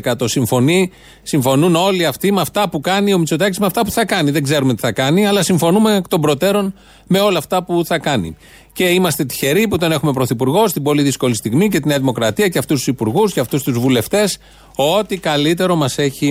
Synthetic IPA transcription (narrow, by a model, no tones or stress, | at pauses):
kɐt̪o̞siɱfo̞ni | siɱfo̞nuno̞liɐft̪imeɐft̪ɐpukɐnio̞mit͡so̞t̪ɐcizmeɐft̪ɐpu̥θɐkɐniðeŋɡze̞ɾume̞t̪i̥θɐkɐniɐlɐsiɱfo̞numekt̪o̞bɾo̞t̪e̞ɾo̞n | me̞o̞lɐːft̪ɐpuθɐkɐnḭ | ce̞imɐst̪e̞t̪i̥çe̞ɾiput̪o̞ne̞xume̞pɾo̞θipuɾɣo̞st̪ibo̞liðisko̞list̪iɣmice̞t̪ineɐðimo̞kɾɐt̪iɐceɐft̪ust̪u̥sipuɾɣusceɐft̪ust̪uzvule̞ft̪e̞s | o̞t̪ikɐlit̪̬e̞ɾo̞mɐse̞çi